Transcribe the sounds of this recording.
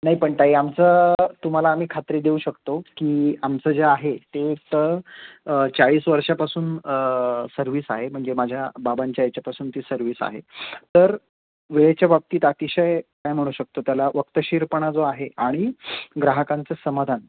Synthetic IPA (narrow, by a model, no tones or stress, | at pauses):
naɦipəɳt̪aɦiamt͡sət̪um̤alaːm̤iːkʰat̪ɾiːd̪euɕəkt̪okiːamt͡səd͡zeaɦet̪eːk̚t̪ə | t͡saɭiːsʋəɾʂapasuːn | səɾʋiːsaɦem̤əɳd͡zemad͡ʑʱjababaɲt͡ɕjajat͡ɕjapasuːnt̪iːsəɾʋiːsa̰ɦḛt̪əɾ | ʋeɭet͡ɕjabab̚t̪iːt̪at̪iɕəjkajm̤əɽ̃uɕək̚t̪ot̪jalaʋəkt̪əɕiɾpəɳ̃ad͡zoaɦeaɽ̃iɡɾaɦəkãnt͡səsəmad̪ʱan